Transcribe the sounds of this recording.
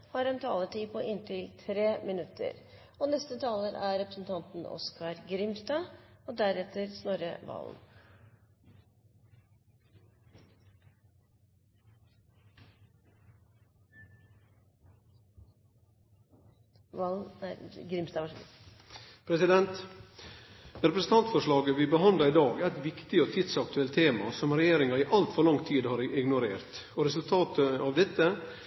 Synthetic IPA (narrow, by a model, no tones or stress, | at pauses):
hɑːɾɛnt̪ʰɑːləʈiːpʰɔʔɪnt̪ʰɪlt̪ʰɾeːmɪnʉt̪ʰːə̰ɾ | ɔnɛst̪ət̪ʰɑːləɾʔæ̰ɾɛpɾəsn̩t̪ʰɑnt̪n̩ɔ̰skʰɑɾɡɾɪmst̪ɑːɔd̪æɾɛt̪ːəɾsnoːɾə̰ʋɑ̰ːln̩ | ʋɑlɡɾɪmst̪ɑ | pʰɾɛsɪd̪ɛnt̪ | ɾɛpɾəsn̩t̪ɑnt̪fɔʂɭɑːɡəʋɪbəɦɑnd̪lɑɪd̪ɑːɡæɪt̪ʋɪkt̪ɪɔt̪ʰɪd̪sɑk̚t̪ʰʉɛlt̪ʰeːmɑ̰sɔmɾɛjeːɾɪŋɑiːʔɑlt̪fɔɾɭɑŋt̪ʰiːd̪hɑːɾɪɡnʊɾeːɾt̪ɔɾɛsʉlt̪ʰɑːt̪ʰəɑʋd̪ɛt̪ːə